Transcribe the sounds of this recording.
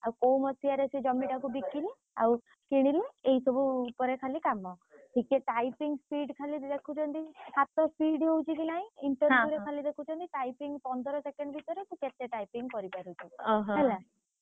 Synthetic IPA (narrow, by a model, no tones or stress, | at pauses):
awkowmɔsiaɾesied͡ʒɔmiʈakubikile | a̰w | kiɽ̃ileeisɔbuːpɔɾekʰalikamɔʈʰikeʈajpiŋɡspʰiɖkʰalid̪ekʰut͡ʃʰɔnt̪isat̪ɔspiɖɦewt͡ʃʰik̬inaɦĩiɳʈɔɾuɾekʰalid̪ekʰut͡ʃʰɔnt̪iʈajpiŋɡpɔnd̪ʱɔɾɔsekeɳɖbʱit̪ɔɾet̪ʰiket̪eʈajpiŋɡkɔɾipaɾut͡ʃʰiɦɦɛla